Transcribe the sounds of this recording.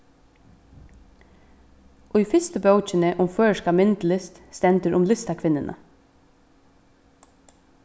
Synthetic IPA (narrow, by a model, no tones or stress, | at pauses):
ʔʊjfɪst̪əbœwt͡ʃɪnəʔʊmføːʃkamɪnt̪lɪst̪st̪ɛnt̪əɾʔʊmlɪst̪akʰʋɪnənʔə̰